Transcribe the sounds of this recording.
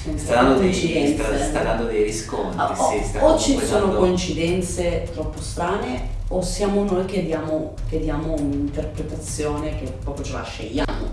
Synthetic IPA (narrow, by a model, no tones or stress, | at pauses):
sakoit͡ʃid̪ɛnest̪ad̪and̪od̪ejɾisko̰nt̪ɾiisot͡ʃːisoːnokoint͡ʃid̪ɛnt̪set̪ɾɔpːost̪ɾaːneosjaːmonojk̟ed̪jaːmokead̪jaːmounint̪erpɾet̪at̪sːjoːnekepːɾɔːpjot͡ʃela̰ʃːḛʎːa̰ːmo̰